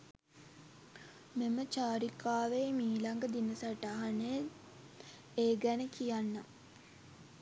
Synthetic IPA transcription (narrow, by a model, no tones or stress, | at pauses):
memət͡ʃaːɾikaːʋeːmiːlaŋɡəd̪inəsaʈaɦane | eːɡænəkijanːa